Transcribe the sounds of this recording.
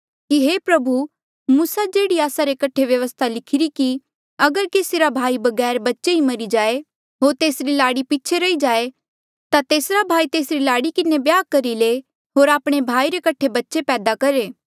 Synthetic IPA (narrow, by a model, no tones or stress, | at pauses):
kiɦeːpɾɐbʱu | muːsad͡ʒeːɽiaːsaɾekɐʈʰeʋjɐʋəst̪ʰalɪkʰɪɾiki | ɐɡəɾkeːsiɾabʱaːibɐɡɛːɾbɐtːʃeimɐɾid͡ʒaːe | ɦoːɾt̪eːsɾilaːɽipɪːt͡ʃʰeɾɐid͡ʒaːe | t̪at̪eːsɾabʱaːit̪eːsɾilaːɽikɪnebjaːkɐɾile | ɦoːɾaːpɽ̃ebʱaːiɾekɐʈʰebɐtːʃepɛːd̪akɐɾeː